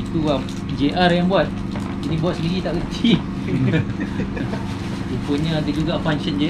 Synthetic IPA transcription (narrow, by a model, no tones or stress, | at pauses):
it̪uam | d͡ʒeʔarjaŋbuat̪̚ | inibuat̪̚sənilit̪aʔkət͡ʃi | upuɲə̃adəd͡ʒuɡafanʃənd͡ʒe